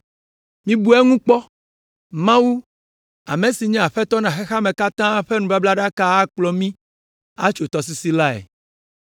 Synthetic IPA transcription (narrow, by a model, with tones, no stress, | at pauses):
mĩ˦bu˦ɛ˦ŋũ˦k͡pɔ˦ | mã˦wu˦ | a̰˨mẽ˨si˨ɲɛ̃˦a˨ɸɛ˦t̪ɔ˦nã˨xe˦xa˦mẽ˨ka˦t̪ã˦ɸe˦nũ˨ba˦bla˦ɖa˦ka˦a˦k͡plɔ˦mĩ˦ | a˦t͡ʃo˨t̪ɔ˨s̬i˨si˦la˦ɛ̰˨